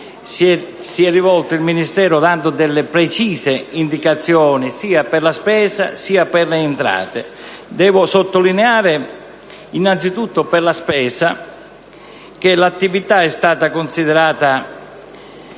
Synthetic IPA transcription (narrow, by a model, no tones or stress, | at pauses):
siɛrːivɔlt̪ʊilminist̪ɛːɾʊd̪and̪ʊd̪ɛlːɪpɾɛt͡ʃiːsɪind̪ikat̪sːjɔːnisiːapɛrlaspɛːsa̰siːapɛrleːnt̪ɾa̰ːt̪ɪ̰d̪ɛːvʊsot̪ːolineaːɾɪ | inːant̪sit̪ut̪ːʊpɛrlaspɛːsa | k̟elat̪ːivit̪aɛst̪aːt̪akʊnsiðɛɾaːt̪a